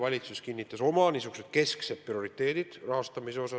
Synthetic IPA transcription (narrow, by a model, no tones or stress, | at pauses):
vɑlʲit̪suskinʲːit̪ːˑɑso̞mɑnisuɡuse̞d̪̥ke̞skse̞t̪̚pːrio̞ɾit̪ːe̞ːd̪̥id̪̥rɑɦɑst̪ɑmiseo̞sɑ